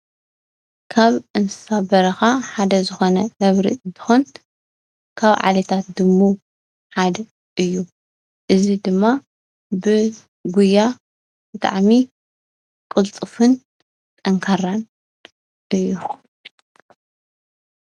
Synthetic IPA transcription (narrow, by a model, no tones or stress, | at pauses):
kʰaβʔɨnt̪ʰɨ̥sabɐɾɐxaħad̪ɐzɨxo̞nɐʔɐβɾḭɨnt̪ʰɨ̥xon | kʰaβʕa̰lɐt̪ʰat̪̚d̪ɨmːu | ħad̪ | ʔɨjːu | ʔɨzid̪ɨmːa | bɨ | ɡujːa | b̥ɨt̪ʼa̰ʕmi | kʼɨlt͡sʼɨfɨn | t̪ʼɐŋkʰɐɾan | ʔɨjːu